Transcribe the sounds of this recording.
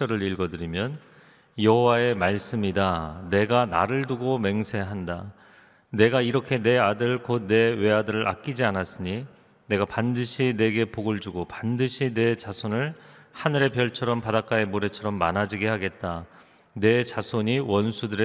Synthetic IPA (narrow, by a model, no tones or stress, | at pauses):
ʌɾɯɾiɭɡʌdɯɾimjʌn | jʌɦowae̞maɭs͈ɯmidane̞ɡana̰ɾɯɭduɡome̞ŋsʰe̞ɦanda | ne̞ɡaiɾʌkʰe̞ne̞adɯɭkod̚ne̞we̞adɯɾɯɾa̰k͈id͡ʑianas͈ɯɲi | ne̞ɡapandɯɕʰine̞ɡe̞poɡɯɭd͡ʑuɡopandɯɕʰine̞t͡ɕasʰonɯɭhanɯɾe̞pjʌɭt͡ɕʰʌɾʌmpadak͈aemoɾe̞t͡ɕʰʌɾʌmːanad͡ʑiɡe̞haɡe̞t̚t͈a | ne̞t͡ɕasʰoɲiwʌnsʰudɯɾe